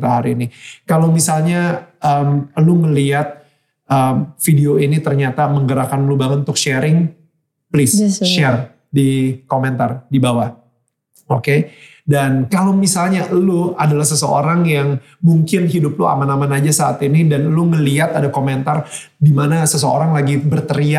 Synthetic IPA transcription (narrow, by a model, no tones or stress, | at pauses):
t̪aɦaɾiːnikalowmisalɲaəmluŋəliat̪̚ | ʔəmfideoinit̪ərɲat̪aməŋɡəɾakanlubaŋət̪t̪ʊkʃɛɾɪŋ | plɪsʃɛr | dikomɛnt̪ardibawa | okedankalowmisalɲaluadalahsəsəo̰ɾaŋjaŋ | muŋkɪnɦidʊplua̰manamanad͡ʒasaat̪inidanluŋəliat̪adakomɛnt̪ar | dimanasəsəo̰ɾaŋlaɡibərt̪əɾia